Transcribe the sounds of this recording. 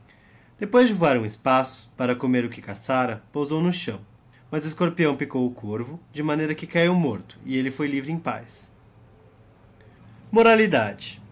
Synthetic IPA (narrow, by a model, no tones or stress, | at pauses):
d̪̥epojzd͡ʒɪvuaɾũɪspasʊ̥paɾɐkomeɾʊkɪkasaɾɐpowzownʊʃɐ̃w̃ | mɐzʊɪskoɾpiɐ̃w̃pikowʊkʰoɾvʊd͡ʒɪmɐ̃nejɾɐkɪkaiwmoɾt̪ʊ̥ɪelɪfojlivɾɪẽj̃pa̰js | moɾalid̪ad͡ʒɪ̥